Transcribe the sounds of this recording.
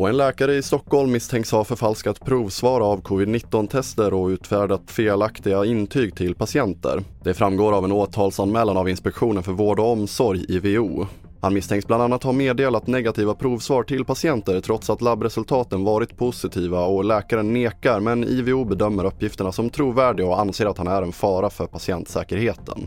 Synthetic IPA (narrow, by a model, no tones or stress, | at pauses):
ɔɛnlɛːkaɾəɪst̪ɔkːhɔlmːɪst̪ʰɛŋkshavfœɾfalskat̪pʰɾuːvsvɑːɾaːvkʰɔvɪd̪nɪt̪ːɔnt̪ʰɛst̪əɾɔʉ̟ːt̪fæːɖat̪feːlakt̪ɪɡaɪnt̪ʰyːɡt̪ʰɪlpʰasɪɛnt̪ə̰ɾd̪̥ɛfɾamɡoːɾavɛnoːt̪ʰɑːlsanmɛːlanavɪnspɛkɧuːnənfœɾvoːɖɔɔmsɔɾjɪveuː | hanmɪst̪ɛŋksbland̪anːat̪hameːd̪eːlat̪nɛɡat̪ʰiːvapʰɾuːvsvɑːɾʈɪlpʰasɪɛnt̪əɾʈʰɾɔt̪sat̪labɾɛsɵlt̪ʰɑːt̪ənvɑːɾɪt̪pʰʊsɪt̪ʰiːvaɔlɛːkaɾənːeːkaɾmɛnḭvɛuːbɛd̪œmːəɾɵpːjɪft̪əɳasɔmt̪ʰɾuːvæːɖɪɔanseːɾat̪hanæɾɛnfɑːɾafœɾpʰasɪɛnt̪sɛːkəɾheːt̪ʰə̰n